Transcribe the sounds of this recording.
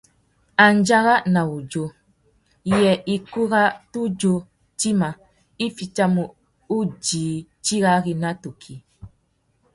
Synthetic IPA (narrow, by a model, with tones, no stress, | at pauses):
a˨nd͡ʒa˦ɣa˦na˨u˨d͡ʒo˦˨ | jɛ˨ʔi˨ku˦ɣa˦tu˦d͡ʒo˦ | ti˦ma˨ | i˦fi˨t͡ʃa˦mu˨ | u˦d͡ʒiː˨t͡ʃi˦ɣa˦ɣi˦na˦tu˨kʰi˨